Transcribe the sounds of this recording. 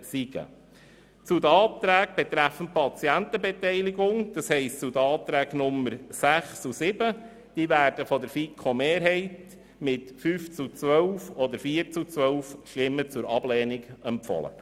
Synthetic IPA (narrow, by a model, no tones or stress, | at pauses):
siɡ̥ə̰ | t͡sud̪əɑːt̪ɾæːk̚b̥ɛt̪ɾæfənpɑt͡siænt̪əbɛt̪ɛɪliɡʊŋd̪̥ɑshɛɪstt͡sud̪əɑːt̪ɾæːknʊmːəɾsæχsusɪb̥ə | d̥iːvæːɾd̥əfɔd̪əɾfikʰomeːɾɦɛɪt | mɪtfyːft͡sut͡sʋœwfɔd̪əɾfiːəɾt͡sut͡sʋœwfʃlɪmːət͡sʊɾɑb̥lɛːniɡɛmpfɔ̰lə̰